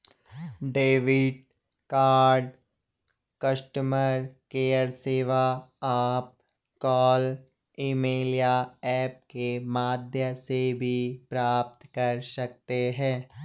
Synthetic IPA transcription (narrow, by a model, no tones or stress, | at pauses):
ɖeːʋɪɖ | kaːɾɖ | kɐʃʈəməɾkeːəɾseːʋaaːp̚ | kɔːl | imeːlijaɛːp̚kemaːd̪ʱjəsebʱipɾaːp̚t̪kɐɾsɐk̚t̪eɦɛ̃ː